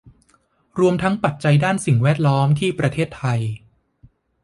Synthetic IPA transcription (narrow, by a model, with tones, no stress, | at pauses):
ɾu˧əmt̪ʰa˦˥ŋpa˨˩t̪̚t͡ɕa˧jdaː˥˩nsi˨˩ŋwɛː˥˩t̪̚lɔː˦˥mt̪ʰiː˥˩pɾa˧t̪ʰeː˥˩t̪ʰːa˧j